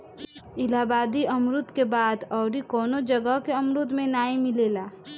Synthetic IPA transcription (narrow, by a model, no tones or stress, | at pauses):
ɪlaːbaːd̪iɐmɾʊt̪kebaːd̪ɔːɾikɔːnod͡ʒɐɡəɦkeɐmɾʊt̪mẽnaːimɪleːlaː